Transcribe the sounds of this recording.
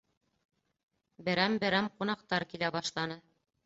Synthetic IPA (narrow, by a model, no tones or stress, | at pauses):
bɘ̆ɾæmbɘ̆ɾæmqunɑqt̪ɑɾkilæβɑʃlˠɑnɤ